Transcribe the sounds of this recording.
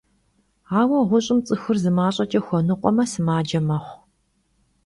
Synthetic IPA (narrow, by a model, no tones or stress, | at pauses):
aːwɐʁʷʊɕʼɪmt͡sʼɨxɨrzɨmaːɕʼɐt͡ʃʼɐxʷɔnɨqʷʼɔmɐsɨmaːd͡ʒɐmɐχʷ